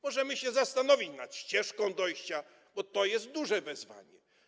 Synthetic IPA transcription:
mɔʐɛmɘɕɛzast̪anɔvʲit͡ɕnat̪ɕt͡ɕɛʂkɔ̃w̃d̪ɔjɕt͡ɕa | bɔt̪ɔjɛst̪̚d̪uʐɛvɛzva̰ɲɛ

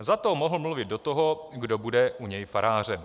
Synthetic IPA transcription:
zat̪omoɦl̩mluvɪd̪do̞t̪oɦoɡdobudɛuɲɛjfaɾaːr̝ɛm

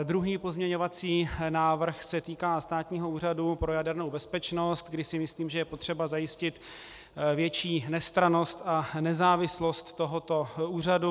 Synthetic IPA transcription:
d̪ɾuɦiːpo̞zmɲɛɲo̞vat͡siːnaːvr̩xsɛt̪iːkaːst̪aːt̪ɲiːɦo̞uːr̝adupɾo̞jadɛɾnowbɛspɛt͡ʃno̞st̪ɡdɪsɪmɪsliːmʒɛjɛpot̪r̝̥ɛbazajɪscɪt̪ | vjɛt͡ʃiːnɛst̪ɾano̞st̪anɛzaːvɪslost̪ːoɦot̪o̞uːr̝adu

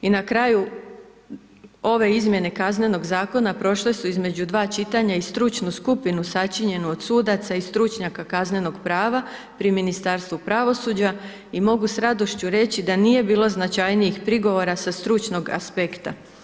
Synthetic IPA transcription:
inakɾaːju | o̞ʋe̞izmʲje̞ne̞kazne̞no̞ɡzaːko̞napɾo̞ʃle̞suizme̞d͡ʑud̪ʋaːt͡ʃit̪aɲaist̪ɾut͡ʃnuskupinusat͡ʃiɲe̞nuo̞d̪suːd̪at̪saist̪ɾut͡ʃɲakakazne̞no̞ɡpɾaːʋa | pɾiminist̪aɾst̪ʋupɾaʋo̞suːd͡ʑa | imo̞ɡusɾad̪o̞ʃt͡ɕuɾe̞t͡ɕid̪anije̞biːlˠo̞znat͡ʃajnijixpɾiɡo̞ʋo̞ɾasast̪ɾut͡ʃno̞ɡa̰spe̞kt̪a

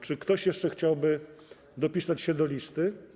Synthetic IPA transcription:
t͡ʂɘkt̪ɔɕjɛʂt͡ʂɛxt͡ɕawbɘ | d̪ɔpʲisat͡ɕɕɛd̪ɔlʲist̪ɘ

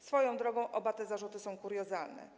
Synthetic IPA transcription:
sfɔjɔ̃w̃d̪ɾɔɡɔ̃w̃ʔɔbat̪ɛzaʐut̪ɘsɔ̃w̃kuɾjɔzalnɛ̰

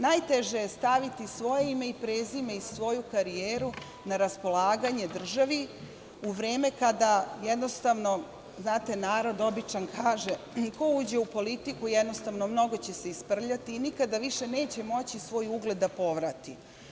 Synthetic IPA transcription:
najt̪eʒejest̪aʋit̪isʋo̞jeime̞ipɾeːzimeisʋo̞jukaɾijeːɾu | naɾaspo̞lˠaːɡaɲe̞d̪r̩ʒaʋi | uʋɾeːme̞kad̪ajed̪no̞st̪aʋno̞ | znaːt̪e̞naːɾo̞d̪o̞bit͡ʃankʰaːʒe | ko̞uːd͡ʑeupo̞lit̪ikujed̪no̞st̪aʋno̞mno̞ɡo̞t͡ɕe̞seispr̩ʎat̪iːnikad̪aʋiʃe̞ne̞ːt͡ɕe̞mo̞t͡ɕisʋo̞ːjuɡle̞d̪ːapo̞ʋɾat̪i

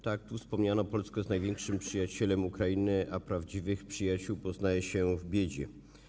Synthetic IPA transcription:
t̪ak̚t̪ufspɔmɲanɔpɔlskɛznajvʲjɛŋkʂɘmpʂɘjat͡ɕɛlɛmukɾainɘʔapɾavd͡ʑivɘxpʂɘjat͡ɕuwpɔznajɛɕɛvbʲjed͡ʑɛ

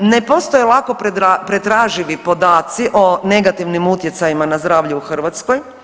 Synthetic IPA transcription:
nepo̞st̪ojelˠako̞pɾapɾet̪ɾaːʒiʋipo̞d̪aːt̪siʔo̞ne̞ɡat̪iʋnimut̪jet̪sajimanazd̪ɾaːʋʎuuxr̩ʋat̪sko̞j

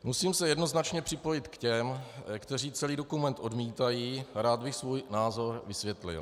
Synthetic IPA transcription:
musiːmsɛjɛdno̞znat͡ʃɲɛpr̝̥ɪpo̞jɪt̪kcɛmkt̪ɛr̝iːt͡sɛliːdo̞kumɛnt̪ʔo̞dmiːt̪ajiːɾaːd̪̚bɪxsvuːjnaːzo̞ɾvɪsvʲjɛt̪lɪ̰l

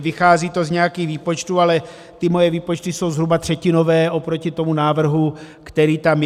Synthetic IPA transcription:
vɪxaːziːt̪o̞zɲɛjakiːxviːpo̞t͡ʃt̪uːalɛ | t̪ɪmo̞jɛviːpo̞t͡ʃt̪ɪso̞wzɦɾubat̪r̝̥ɛcɪno̞vɛːʔo̞pɾo̞cɪt̪o̞munaːvr̩ɦu | kt̪ɛɾiːt̪am

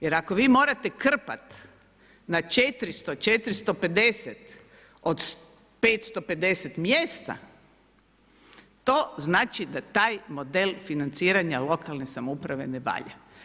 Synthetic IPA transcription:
jeɾako̞ʋiːmo̞ːɾat̪e̞kr̩pat̪ | nat͡ʃet̪ɾist̪ot͡ʃet̪ɾist̪o̞pe̞d̪e̞set̪ | o̞d̪s | peːt̪st̪o̞pe̞d̪e̞set̪mjeːst̪a̰ | t̪o̞ːznaːt͡ʃid̪at̪aːjmo̞d̪elfinant̪siːɾaɲalo̞kalne̞samoupɾaʋe̞neʋa̰ːʎa̰

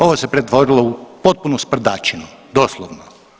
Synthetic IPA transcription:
o̞ʋosepɾet̪ʋo̞ɾilˠoupot̪̚punuspr̩d̪at͡ʃenud̪o̞slˠoʋno

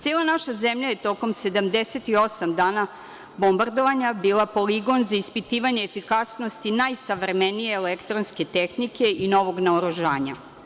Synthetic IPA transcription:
t̪eːlˠanaʃazemʎaje̞t̪o̞ko̞mse̞d̪amd̪eset̪io̞samd̪aːna | bo̞mbaɾd̪oʋaɲabiːlˠapo̞liɡo̞nzaispit̪iːʋaɲe̞ːfikasno̞st̪inajsaʋɾemenijeːlekt̪ɾonske̞t̪exnike̞ino̞ʋo̞ɡnaoɾuʒaːɲa̰

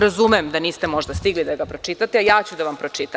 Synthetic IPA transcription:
ɾazumemd̪aniːst̪emo̞ʒd̪ast̪iɡlid̪aɡapɾo̞t͡ʃit̪at̪eajaːt͡ɕud̪aʋampɾo̞t͡ʃit̪a

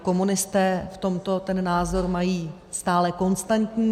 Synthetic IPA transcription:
ko̞munɪst̪ɛːft̪o̞mt̪o̞t̪ɛnːaːzo̞ɾmajiː | st̪aːlɛko̞nst̪ant̪ɲiː

